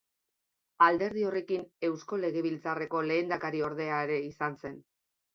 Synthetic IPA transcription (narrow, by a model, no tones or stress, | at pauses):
ald̪e̞ɾðio̞re̞kine̞wsko̞le̞ɣe̞βilt͡sare̞ko̞le̞ːnd̪akaɾio̞ɾð̞e̞aeɾe̞isanse̞n